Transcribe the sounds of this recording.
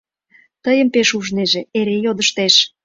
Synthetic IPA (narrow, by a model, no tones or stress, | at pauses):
t̪əjəmpeʃuʒneʒeeɾejod̪əʃt̪eʃ